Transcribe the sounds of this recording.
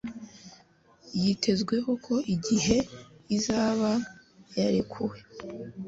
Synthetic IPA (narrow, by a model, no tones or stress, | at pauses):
jitʰe̞zɡwe̞ɦo̞kʰo̞ʔiɟiɦe̞izaːβajaɾekʰuwe̞